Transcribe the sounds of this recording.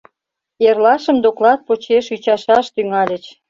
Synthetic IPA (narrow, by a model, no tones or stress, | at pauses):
erlɑʃəmd̪oklɑt̪̚pot͡ɕeʃyt͡ɕɑʃɑʃt̪yŋɑlʲə̆t͡ɕ